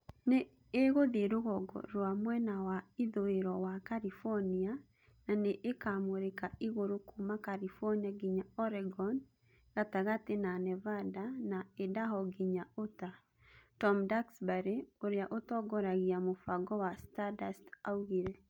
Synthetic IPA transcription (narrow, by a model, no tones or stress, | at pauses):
neː | ɣoðeɾoɣɔɡɔ̰ɾwamwɛnawaiðoeɾɔwakalifɔnia | naneʔekamoɾekaiɣoɾokʰumakalifɔniaɡiɲaɔɾɛɡɔn | ɣ̥ataɣatenanɛvadanaedaɦɔɡiɲaota | tɔmdaksbaɾeoɾeaʔotɔɡɔɾaɣiamofaɡɔwastadastauɣiɾɛ